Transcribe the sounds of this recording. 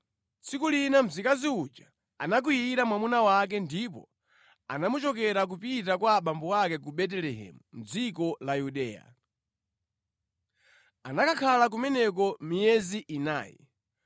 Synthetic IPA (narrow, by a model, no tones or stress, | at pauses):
t͡sikulinam̩zikaziud͡ʒa | anak̬ujiiɾamwamunawak̬ɛndipɔ̰ | a̰namut͡ʃɔkɛɾak̬upit̬akwaɓambɔakɛkuɓɛt̬ɛlɛɦɛ̰mum̩d͡zikɔlajuɗɛːja̰ | anakakʰalak̬umɛnɛkɔmijɛziʔina̰ːjɛ̰